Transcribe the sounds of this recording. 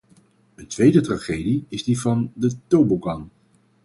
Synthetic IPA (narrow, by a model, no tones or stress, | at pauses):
əntʋejdətraːχejdiɪzdivɑndətowbokɑn